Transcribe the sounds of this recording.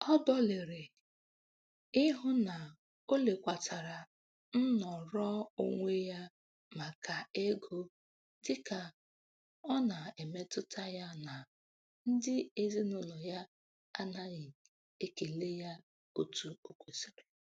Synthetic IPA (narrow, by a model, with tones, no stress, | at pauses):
ɔ˦dɔ˦le˨ɾe˨ | ɪ˦ɦʊ˦na˨ | o˦le˨kʷa˨tʰa˨ɾa˨ | n̩˦nɔ˨ɾɔ˦o̰˦ŋʷe˦ja˦ | ma˨ka˨e˦ɡo˦ | dɪ˦ka˨ | ɔ˦na˨e˨me˦tʊ˦tʰa˦ja˦na˨ | n̩˦dɪ˦e˦zi˦nʊ˦lɔ˨ja˦ | a˦na˦ɣɪ˨ | e˦ke˨le˦ja˦ | o˦tu˨o˦kʷe˨si˨ɾe˨